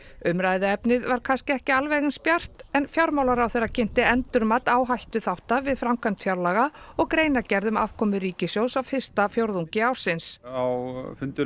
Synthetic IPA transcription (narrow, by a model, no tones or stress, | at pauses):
ʏmɾajðɪɛpnɪðvaɾ̥kʰanscɪɛhcɪalvɛjɣɪnspjar̥t̪ɛnfjawɾmaːwlaɾawθejɾːacʰɪn̥t̪ɪɛnt̪ʏɾmat̪aːwɦajht̪ʏθawht̪avɪðfɾamkʰamt̪fjawɾlaɣaɔɣkɾeːjnacɛɾðʏma̰v̥kʰɔːmʏɾiːcɪsjoːwsawfɪr̥st̪afjowɾðuŋɲcɪaːwɾ̥sɪnsawfʏnt̪ʏ